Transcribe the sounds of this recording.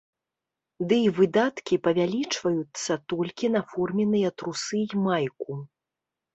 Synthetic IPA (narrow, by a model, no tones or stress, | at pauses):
d̪ɨivɨd̪at̪kʲipɐvʲalʲit͡ʂvɐjut̪sːɐt̪ɔlʲkʲinafɔrmʲɛnɨjɐt̪ɾusɨjmajku